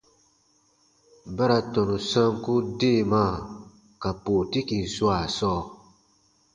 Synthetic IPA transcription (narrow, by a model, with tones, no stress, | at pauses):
ba˦ɾa˨tɔ̃˨nũ˨sã˦ŋ˦ku˦de˦˨maː˦˨ | ka˨po˨ti˦kĩ˨n̩˨swa˨sɔː˦˨